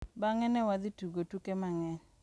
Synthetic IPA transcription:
baŋɛnɛwad̪ituɡotukemaŋɛn

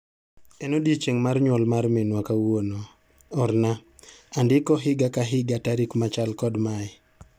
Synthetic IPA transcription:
ɛnodit͡ʃeŋmarɲwɔlmarmenwakawono | ɔɾna | andɪkɔɦɪɡakaɦɪɡataɾikmat͡ʃalkɔdmaɛ

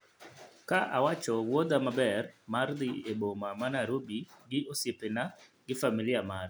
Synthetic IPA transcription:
kaʔawat͡ʃɔwod̪amabɛrmard̪ɪebomamanaɾobiɡɪʔosepenaɡɪfamilɪamar

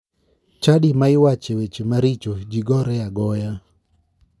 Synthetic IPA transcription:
t͡ʃadimaɪwat͡ʃewet͡ʃemaɾit͡ʃod͡ʒiɡɔɾɛaɡɔja

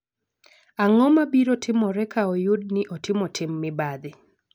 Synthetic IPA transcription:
aŋɔmabiɾotʰɪmɔɾɛkʰaɔjʊd̚nɪʔɔtɪmɔtʰɪmːɪbad̪ɪ

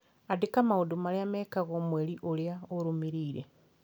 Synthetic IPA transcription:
adikamaudumaliamekaɣomweːliʔoljaoɾumiɾiːɾḛ

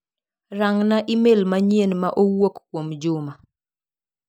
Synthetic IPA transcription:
raŋnaʔɪmelmaɲjenmaʔowokkwomd͡ʒʊma

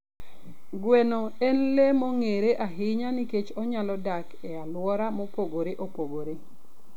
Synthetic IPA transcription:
ɡwenoenlemoŋeɾeʔaɦɪɲaniket͡ʃɔɲalɔdak | ealwɔɾamɔpoɡoɾeʔopoɡoɾe

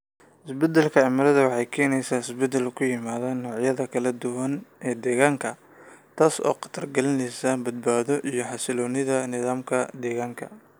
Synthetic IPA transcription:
ʔɪsbɛd̪ɛlkʰɐɛmɐlɐðɐwɑħɑjkʰɛːnɛjsaːɪsbɛd̪ɛlkʰʊjɪmaːðaːnːɔːʕjɐðɐkʰɐlɐd̪ʊwɐnʔɛːd̪ɛːɣaːŋkʰɐ | t̪ʰaːsɔ̰ːqɑ̥t̪ʰɐrɡɐlɪnɛjsaːnbɐd̪̚baːðɔʔijɞħɑsɪlɔːnɪðɐnɪðaːmkʰɐd̪ɛːɣaːŋkʰɐ

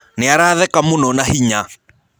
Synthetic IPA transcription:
nɪaɾaðɛkamonɔnahiɲa

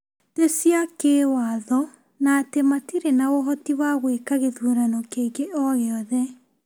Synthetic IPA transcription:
tesiakewaðɔ | natematiɾenawɔɦɔtiwaɣwekaɣeðuɾanɔkeɣeʔɔɣeɔðɛ

